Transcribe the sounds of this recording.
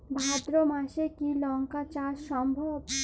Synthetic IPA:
bʱad̪ɾomaʃekilɔŋkat͡ɕaʃɔmbʱob

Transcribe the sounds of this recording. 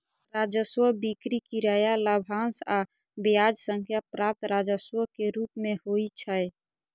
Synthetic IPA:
ɾad͡ʒəswəbikɾikiɾajaləbʱansa | bijad͡ʒsəŋkʰjapɾap̚t̪ɾad͡ʒəswəkeɾupmehoit͡ʃʰəj

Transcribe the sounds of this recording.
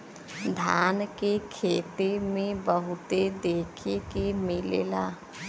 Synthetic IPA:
d̪ʱaːnkekʰeːt̪emẽbəɦʊt̪ed̪eːkʰekemɪlḛːlaː

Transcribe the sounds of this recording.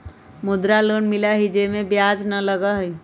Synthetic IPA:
mʊd̪ɾaloːnmɪlaɦid͡ʒemẽbjaːd͡ʒnələɡaɦi

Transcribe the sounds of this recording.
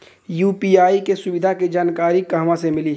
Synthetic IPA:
juːpiːaːikesʊʋɪd̪ʱaked͡ʒaːnkaːɾikɐɦmãsemɪliː

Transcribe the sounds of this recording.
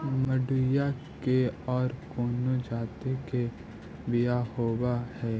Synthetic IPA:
məɖʊjakeɔːɾkoːnod͡ʒaːt̪eke | bɪjahoːbahɛː

